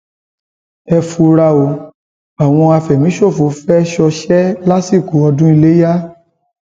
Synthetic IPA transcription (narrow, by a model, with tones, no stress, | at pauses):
ɛ˧fu˧ɾa˧o˨ | a˨w̃ɔ̃˧a˧fɛ˨mĩ˨˦ʃo˦˨fu˨˦fɛ˦ʃɔ˧ʃɛ˦la˦si˦˨ku˨˦ɔ˧dũ˦i˧le˦ja˦